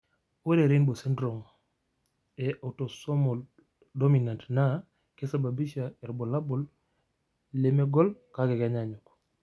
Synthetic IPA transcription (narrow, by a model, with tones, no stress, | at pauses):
we˦ɾe˨ɾe˦nbo˨si˦ndɾo˨ŋ | e˨ʔa˨uto˨so˦mo˨l | do˦mi˨na˨ntna˦ | ke˦sa˨ba˨bi˦ʃa˨e˨ɾbo˨la˦bo˨l | leme˦ɡo˦lka˦ɡe˨ɡa˨ɲaɲok